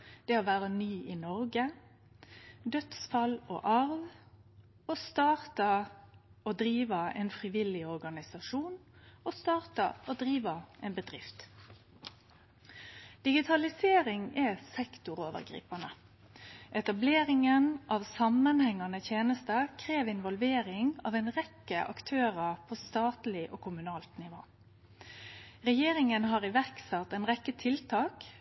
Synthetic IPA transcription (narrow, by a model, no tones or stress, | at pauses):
d̪̥ɛoʋæːʁənyːɪnɔɾɡə | d̪œt̪sfɑlo̰ʔɑʁʋ | ost̪ɑːʁt̪ə | oːd̪ɾiːʋɑɛ̰nfʁɪʋɪlɪɔʁɡɑnɪsɑʂuːnost̪ɑːʁt̪ə̰oːd̪ʁiːʋɑɛnbəd̪ʁɪft̪ | d̪̥ɪɡɪt̪ʰɑlɪseːɾɪŋɛsɛkt̪ʊʁoːʋə̰ʁɡɾḭːpɑnə | ʔɛt̪ɑbleːɾɪŋənʔɑʋsɑmːənhɛŋːɑnət̪ʰjeːnəst̪əkʰʁeːʋɪnʋɔlʋeːɾɪŋɑ̰ʋɛnʁɛkːəʔɑ̰kt̪ʰøːʁəʁpʰoːst̪ɑːt̪lɪʔoːkʰʊmʉnɑːlt̪nɪʋo̰ː | ʁɛjeːɾɪŋənɦɑːʁɪʋæʁksɑt̪ːɛnʁɛkːət̪ʰɪlt̪ʰɑːk